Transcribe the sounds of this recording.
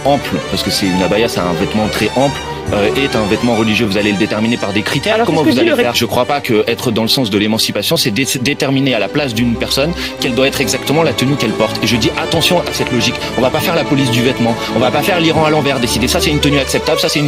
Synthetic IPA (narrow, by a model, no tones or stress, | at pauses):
ɑ̃plpaskəsɛynabajasaɛ̰̃vɛt̪mɑ̃t̪χɛʔɑ̃pl | øɛt̪ɛ̃vɛt̪mɑ̃ʁəliʒjøvuzaleləd̪et̪ɛʁminepaʁd̪ekχit̪ɛʁkɔm̃vuzaleɛʒəkχwapakəʔɛt̪χəd̪ɑ̃ləsɑ̃sd̪əlemɑ̃sipasjɔ̃sɛd̪ed̪et̪ɛʁminealaplas̬d̪ynpɛʁsɔn | kɛld̪waɛt̪χɛɡzakt̪əmɑ̃lat̪ənykɛlpɔʁt̪eʒəd̪iʔat̪ɑ̃sjɔ̃ʔasɛt̪lɔʒik | ɔ̃vapafɛʁlapɔlis̬d̪yvɛt̪mɑ̃ | ɔ̃vapafɛʁliʁɑ̃alɑ̃vɛʁd̪esid̪esasɛt̪ynt̪ənyaksɛp̚t̪ablsasɛt̪yn